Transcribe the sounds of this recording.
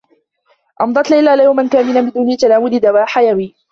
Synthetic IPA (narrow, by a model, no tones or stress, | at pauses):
ʔɑmd̪ˤɑt̪lajlːaːlajawmankaːmɪlabɪd̪uːnit̪alaːmʊlɪd̪awaːħajawiː